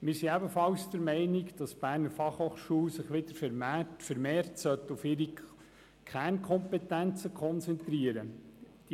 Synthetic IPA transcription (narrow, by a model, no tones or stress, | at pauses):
mɪɾsiɛbəfɑwsd̥̪əɾmɛɪnɪkd̥ɑsb̥æːɾnəɾfɑχhoːχʃuːlsɪχʋɪd̪əɾfmfəɾmɛːɾtsœt̪ːufɪɾi | kʰærnkʰχɔmpɛtænt͡səkʰχɔnt͡sɛnt̪ɾiəɾə | d̥